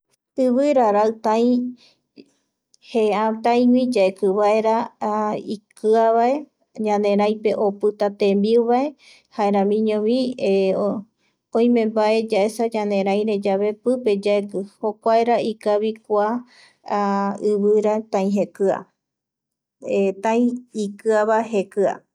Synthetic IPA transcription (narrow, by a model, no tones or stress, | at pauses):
ɨβɨɾaɾaɨt̪ãj̃ | heãt̪ãĩwĩd͡ʒaekɨβae̞ɾa | ikɨaβae̞ | ɲãnẽ̞ɾ̃ãj̃pe̞ʔopɨt̪at̪ẽmbiuβae̞ | haeɾãmĩɲõβĩ | õj̃mẽmbaʔed͡ʒae̞sad͡ʒãnẽ̞ɾãj̃ɾe̞d͡ʒaβe̞pɨpe̞d͡ʒaekɨhokʷaeɾaikaβikʷa | ɨβɨɾat̪ãĩɦekɨa̰ | et̪ãj̃ikɨaβaɦekɨa̰